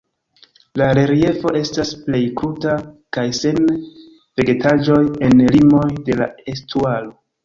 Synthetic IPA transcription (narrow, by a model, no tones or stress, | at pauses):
laɾe̞ɾije̞fo̞ʔe̞stasple̞jkutakajse̞n | ve̞ɡe̞tad͡ʒo̞je̞nlimo̞jde̞la̰estualo̞